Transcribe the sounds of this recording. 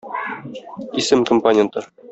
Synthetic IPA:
isɘmkompɐnʲent̪ə

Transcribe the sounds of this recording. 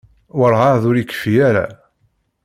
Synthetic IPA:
wəɾˤʁɑðʊɾikːə̥fijaɾa̰

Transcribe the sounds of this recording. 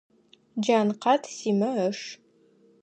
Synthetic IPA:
d͡ʒaːnqɑtʰsiːmɐəʂ

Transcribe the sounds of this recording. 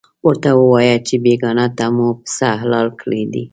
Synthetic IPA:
wəɾt̪awəwɑjat͡ʃebeɡɑnat̪amupsaɦlɑlkɽed̪ḭ

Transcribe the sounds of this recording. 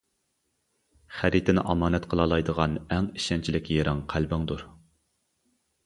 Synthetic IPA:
χæɾit̪ʰɪnɪʔɑmɑːnɛt̪qʰəlˠɑlˠɑjd̪əʁɑnɛŋiʃɛnt͡ʃʰilɪkʲjeɾɪŋqʰælbɪŋd̪uɾ

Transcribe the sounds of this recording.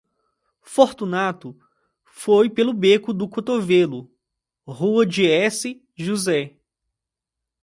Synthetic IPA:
foɾt̪unat̪ʊ | fojpelʊbekʊd̪ʊkot̪ovelʊ | ɦuɐd͡ʒɪɛsɪ | ʒuzɛ

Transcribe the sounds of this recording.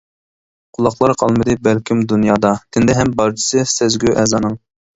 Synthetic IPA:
qʰʊlˠɑχlˠɑɾqʰɑlˠmɨd̪ɨbælkʲimd̪unjɑːd̪ɑt̪ʰɪnd̪ɛɦɛmbɑɾt͡ʃʰi̥sɨsɛzɡʲyʔɛːzɑːnɨŋ

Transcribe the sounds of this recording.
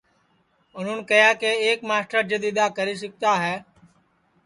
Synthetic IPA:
ʊn̤ʊnkəjaːkeːeːkmaːsʈəɾd͡ʒəd̪ɪd̪aːkəɾiːs̬ɪk̚t̪aːɦɛː

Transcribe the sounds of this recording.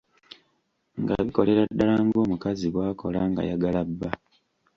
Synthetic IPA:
ŋɡa̰βiko̞le̞ɾadːalaːŋɡo̞ːmukaziβwaːko̞̰laŋɡa̰jaɡalabːa

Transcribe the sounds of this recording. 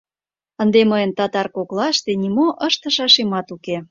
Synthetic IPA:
ənd̪eməjə̆nt̪ɑt̪ɑrkoklɑʃt̪enimoʔəʃt̪ə̆ʃɑʃemɑt̪uke

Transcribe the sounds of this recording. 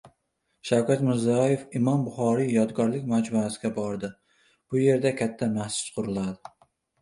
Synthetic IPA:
ʃawkʲat̪mɪɾzɒje̞fɪmɒmbʊχɒɾijɒd̪ɡʲɒɾlɪkʲmad͡ʒmuasɪɡʲabɒɾd̪ɪ | b̥ʊje̞ɾd̪akʲʰat̪ʰːamahsʊ̥t͡ʃqʰʊɾʊlˠad̪ɪ

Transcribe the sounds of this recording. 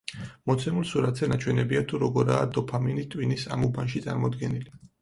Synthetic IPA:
mɔt̪sʰɛmulˠsuɾat̪sɛnat͡ʃʰwɛnɛbiat̪ʰuɾɔɡɔɾaːd̪ɔpʰaminit̪ʼwinisamubanʃit̪sʼa̰ɾmɔd̪ɡɛnili

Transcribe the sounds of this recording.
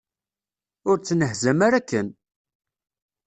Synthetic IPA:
ʊɾt͡sːnəɦzæmaɾækːən

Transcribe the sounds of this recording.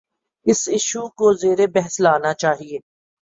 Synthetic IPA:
ɪsɪʃukozeːɾebɛɦɛslaːnat͡ʃaːɦieː

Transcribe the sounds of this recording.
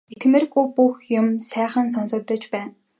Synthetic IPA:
et̪ɡmĕrɡupuxjʊmsæːχə̆ns̬ɔnsɞ̆k̚t̪ɞ̆t͡ɕpæːn

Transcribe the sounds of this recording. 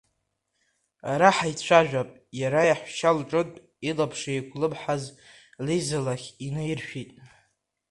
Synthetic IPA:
aɾaħajt͡ɕʷʰaʒᶣapʼjaɾajaħʷʃalʈ͡ʂʼɨtʼ | ilapʰʂajkʷʰʼlɨbħaz | lijzalaχʲinɨjirʃᶣitʼ

